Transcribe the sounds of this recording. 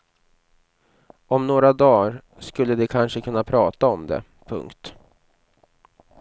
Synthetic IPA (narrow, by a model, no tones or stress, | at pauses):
ɔmnoːɾad̪ɑːɾ | skɵlːəd̪ɛkʰanʂəkʰɵnːapʰɾɑːt̪aɔmd̪ɛ̰ | pʰɵ̰ŋkt̪